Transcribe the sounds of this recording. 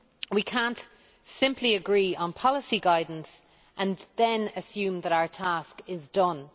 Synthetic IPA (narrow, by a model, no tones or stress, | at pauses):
wikʰãnt | sɪ̃mpʰliəɡɹiːə̃npʰɑləsiɡaɪdⁿn̩s | ʔə̃nðə̃nəsjʉ̃ːmðəɾaʊə˞tʰaskɪzdʌ̃n